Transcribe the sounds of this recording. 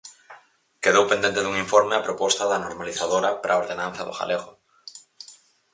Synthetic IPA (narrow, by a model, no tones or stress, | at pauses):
keðowpend̪ẽnt̪ɪðuŋiɱfoɾmeapɾopɔst̪ɐðɐnoɾmaliθaðoɾɐpɾʔaoɾðenãn̟θɐðʊ̰xa̰leɣʊ